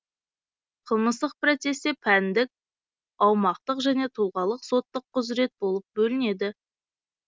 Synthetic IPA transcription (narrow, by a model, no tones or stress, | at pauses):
qʰəlˠməst̪əq̚prot̪se̞st̪e̞pʰænd̪ɪk̚ʲ | ɑwmɑq̚t̪əqʒæne̞t̪ʰulˠʁɑlˠəqso̞t̪ːəqʰːʊzɾe̞t̪̚bo̞lˠəp̚bɵlɪne̞d̪ɪ